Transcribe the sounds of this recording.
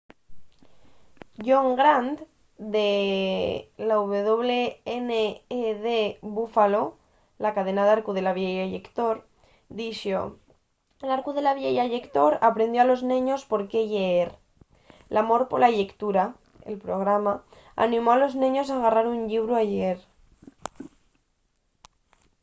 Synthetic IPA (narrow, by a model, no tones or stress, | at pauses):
ʝo̞ŋɡɾant̪ | d̪e | lauβ̞e̞ð̞o̞β̞le̞eneeðeβufalo̞ | lakað̞e̞naðaɾkuð̞e̞laβjejaʝekt̪o̞ɾ | d̪iʃo̰ | elaɾkuð̞elaβjejaʝekt̪o̞ɾapɾe̞nd̪joalo̞znẽɲo̞spo̞ɾke̞ʝeeɾ | lamo̞ɾpolaʝekt̪uɾa | ḛlpɾo̞ɣ̞ɾama | a̰nĩmo̞alo̞znẽɲo̞s̬aɣ̞araɾuɲʎiβɾuaʝeɾ